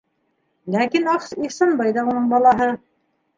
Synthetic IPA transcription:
lækinɑqsisɑnbɑjðɑunɤɴbɑlˠɑɦɤ

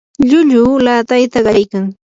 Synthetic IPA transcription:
ʎʊʎʊːlaːt̪ajt̪aɢɑajkaŋ

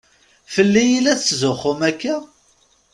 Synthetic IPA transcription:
fəlːijilæθzʊχʊmækːæ

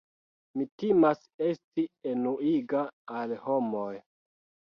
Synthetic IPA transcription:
mitimas | e̞stienuiɡaːlho̞moj

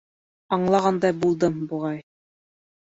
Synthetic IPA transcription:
ɑɴlˠɑʁɑnd̪ɑbulˠd̪ɤmbuʁɑj

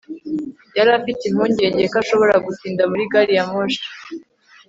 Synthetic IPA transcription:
jaɾafitim̥huːɲɟe̞ɲɟekaʃo̞βo̞ɾaɡutiːndamuɾiɡaɾijamoʃḁ

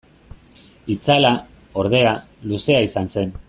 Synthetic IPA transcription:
it͡sala | o̞ɾð̞e̞a | luse̞aisanse̞n

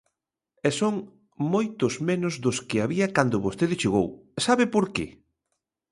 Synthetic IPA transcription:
ɛsoŋ | mojt̪ʊzmenʊzðʊskɪaβiɐkand̪ʊβost̪eðɪʃeɣowsaβɪpoɾkḛ

